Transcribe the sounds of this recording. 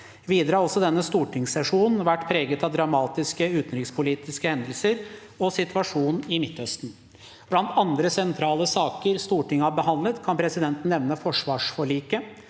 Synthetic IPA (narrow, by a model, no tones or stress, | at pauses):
ʋiːd̪ɾɑːɾɔlsɔd̪ɛnːəst̪uːʈɪŋsɛʂuːnn̩ʋæʈːpʰɾeːɡət̪ɑʋd̪ɾɑmɑːt̪ɪskəʉːt̪n̩ɾɪkspʰʊliːt̪ɪskəhɛnd̪əlsəɾ | ɔsɪt̪ʰʉʋɑʂuːnɪmɪt̪ːœst̪n̩ | b̥lɑnt̪ɑnd̪ɾəsɛnt̪ʰɾɑːləsɑːkəɾst̪uːʈɪŋɑbəhɑnd̪lət̪kʰɑnpʰɾɛsɪd̪ɛnt̪n̩ːɛʋnəfɔʂʋɑːʂfɔɭiːkə